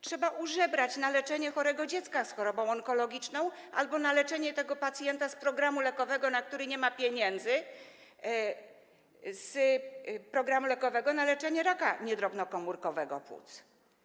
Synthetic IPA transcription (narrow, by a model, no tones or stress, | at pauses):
tʂɛbaʔuʐɛbɾat͡ɕnalɛt͡ʂɛɲɛxɔɾɛɡɔd͡ʑɛt̪skasxɔɾɔbɔ̃w̃ɔŋkɔlɔɡʲit͡ʂnɔ̃w̃ʔa̰lbɔnalɛt͡ʂɛɲɛt̪ɛɡɔpat̪sʲjɛnt̪aspɾɔɡɾamulɛkɔvɛɡɔnak̚t̪uɾɘɲɛmapʲjeɲɛnd̪zɘ | z | pɾɔɡɾamulɛkɔvɛɡɔnalɛt͡ʂɛɲɛɾaka̰ɲɛd̪ɾɔbnɔkɔmuɾkɔvɛɡɔ̰pwṵt̪s